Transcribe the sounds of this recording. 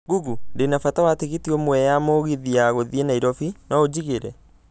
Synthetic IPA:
ɡuɡundenafatawateɣetiɔmwɛjamoːɣeðiaɣoðienaiɾɔfinɔod͡ʑiɣeɾɛ

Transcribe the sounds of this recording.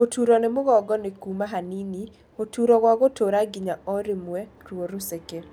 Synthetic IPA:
otuɾɔnɪmʊɣɔɡɔnekumaɦanini | otuɾɔɣwaɣotoɾaɡɪɲaɔɾɪmwɛɾwoɾuseke

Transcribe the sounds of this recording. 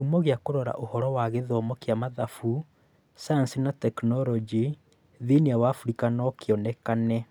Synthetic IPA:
umɔɣeakoɾɔɾa̰ʔohɔɾɔwaɣɛðɔmɔkjamaðafu | sajansinatɛknɔɾɔd͡ʒi | ðiniawaːfuɾikanɔkeɔnɛkanɛ

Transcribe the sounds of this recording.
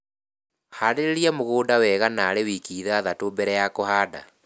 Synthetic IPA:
haɾeɾeɾiamoɣoːdawɛːɣanaːɾewikiːðaðatombɛɾɛjakohaːda̰

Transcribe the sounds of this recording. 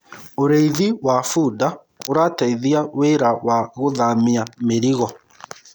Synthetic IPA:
oɾeiðiwafuda | oɾataiðiaweɾawaɣoðamiameɾiɣɔ

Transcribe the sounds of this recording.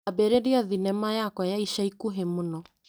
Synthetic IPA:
abeɾeɾiɔðinɛmajakwajaiʃaikuɦemonɔ

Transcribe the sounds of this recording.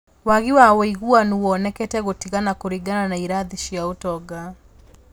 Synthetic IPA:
waɣiwawiɣuanuwɔnɛkɛtɛɣotiɣanakoɾiɡananaiɾaðiʃijaotɔɡa

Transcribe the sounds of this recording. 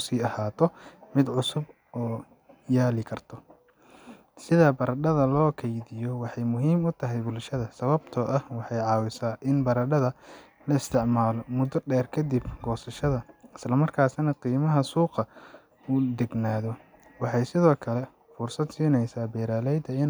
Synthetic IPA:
ʊsiːɐhaːt̪ʰɔmɪd̪ʕʊsʊb | ɔː | jaːlɪkʰɐrt̪ʰɔ | sɪðɐbɐɾɐɖɐðɐlɔːkʰɛjðɪjɔwɑħɑjmʊɦiːmʊt̪ʰɐɦɛjbʊlʃɐðɐsɐβɐbt̪ʰɔʔɐhwɑħɑjʕɑːwɪsaːʔɪnbɐɾɐɖɐðɐ | lɐɪst̪ʰɪʕmaːlɔmʊd̪ɔɖɛːrkʰɐd̪ibɡ̥ɔːsɐʃɐðɐɪslɐmɐrkʰaːsnɐqiːmɐɦɐsuːqɑ | ʊd̪ɛɡnaːðɔ | wɑħɑjsɪðɔːkʰɐlɛ | fʊrsɐd̪siːnɛjsaːbɛːɾaːlɛjd̪ɐɪn

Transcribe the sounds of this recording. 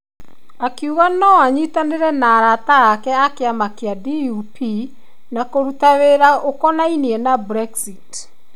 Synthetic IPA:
akiuɣanɔaɲitaneɾɛnaːɾataːkɛakeamakeadiupi | nakoɾutaweɾaʔokɔnainiɛnabɾɛksit

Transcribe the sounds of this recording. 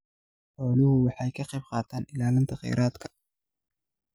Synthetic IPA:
ħɔːlʊhʊwɑħɑjkʰɐqɛjb̚qɑːt̪ʰaːnɪlaːlɪnt̪ʰɐqɛ̰jɾʔaːd̪kʰɐ̥

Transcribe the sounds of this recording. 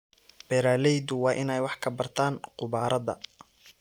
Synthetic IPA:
b̥ɛɾaːlɛjðʊwɑːʔɪnɛjwɑħkʰɐbɐrt̪ʰaːnqʊβaːɾʔɐðɐ̰

